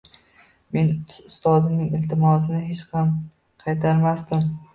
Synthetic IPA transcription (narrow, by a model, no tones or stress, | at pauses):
me̞nʊst̪ɒzɪmnɪŋɪlt̪ʰɪmɒsɪnɪɦet͡ʃhɑm | qʰɑjt̪ʰaɾmast̪ɪm